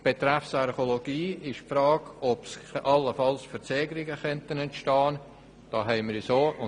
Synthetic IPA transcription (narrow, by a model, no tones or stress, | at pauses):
b̥et̪ɾɛfsaɾχoloɡ̥iːɪʃpfɾɑːɡɔpsʔɑlːəfɑlsfəɾt͡sɛːɡəɾɪɡəχœntənɛntʃtɑːn | d̥ɑːɦɛɪməɾisoːʊ